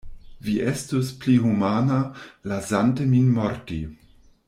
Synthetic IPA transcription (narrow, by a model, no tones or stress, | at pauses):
viʔestospliɦumanalazanteminmoɾti